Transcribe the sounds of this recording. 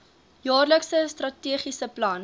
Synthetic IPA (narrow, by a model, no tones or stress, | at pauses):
jɑːrləksəstrɐtiəχisəplɐn